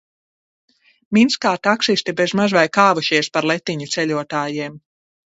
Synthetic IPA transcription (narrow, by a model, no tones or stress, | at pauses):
minskaːt̪aksist̪ibezmazvajkaːvuʃiɛspaɾlˠɛt̪ːiɲut̪sɛlʲuɔt̪aːjiɛm